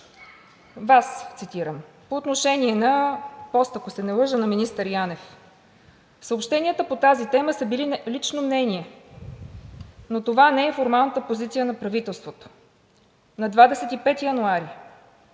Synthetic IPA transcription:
vast̪sit̪iɾəm | poːt̪noʃɛnʲiɛnɐpɔst̪ɐkosɛnɛlˠɤʒənɐminist̪əɾjanɛf | səopʃt̪ɛniət̪əpot̪azit̪ɛməsəbililit͡ʃnomnɛnʲiɛ | not̪ovanɛɛfoɾmalˠnət̪əpozit̪sijənɐpɾɐvit̪ɛlˠst̪vot̪o̥ | nɐd̪vad̪ɛsɛt̪ipɛt̪ijɐnuaɾi

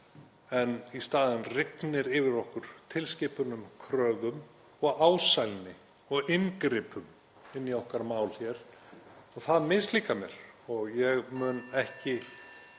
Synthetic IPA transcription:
ɛnist̪aːðɪnrɪknɪɾɪvɪɾɔhkʏɾ̥t̪ʰɪlscɪːpʏnʏmkʰɾœːðʏm | ɔɣaːwsajlnɪ | ɔɣɪnkɾɪːpʏm | ɪnːiɔhkaɾmaːwl̥çɛɾ̥ɔɣθaðmɪst̪liːkamjɛɾ̥ɔɣjɛɣmʏnɛhcɪ

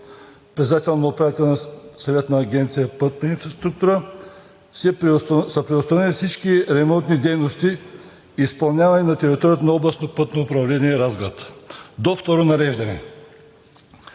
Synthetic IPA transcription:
pɾɛt̪sd̪at̪ɛlˠnnɐopɾavit̪ɛlnɐsɐvɛt̪nɐːɡʲɛnt̪sijəpɤt̪̚nəinfɾɐst̪ɾuk̚t̪uɾə | sɛsɐpɾɛost̪anɛlʲifsit͡ʃkiɾɛmɔnt̪nid̪ɛjnost̪i | ispɐlˠnʲavɐninɐt̪ɛɾit̪ɔɾijət̪onɐɔblˠɐsnopɤt̪noːpɾɐvlɛniɛɾazɡɾat̪d̪oft̪ɔɾonɐɾɛʒd̪ɐnɛ̰

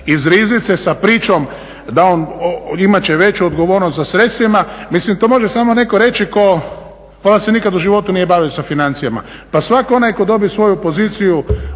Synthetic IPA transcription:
izɾiznit̪sesapɾiːt͡ʃo̞m | d̪ao̞nimat͡ɕeʋe̞t͡ʃuod̪ɡo̞ʋo̞ɾnost̪sasɾe̞t̪st̪ʋimamislimt̪omo̞ʒesaːmone̞koɾe̞t͡ʃiko̞ | ond̪ase̞nikad̪uʒiʋo̞t̪unije̞baːʋiosafinant̪sijama̰pasʋako̞najko̞d̪o̞bisʋo̞jupo̞ziːt̪siju

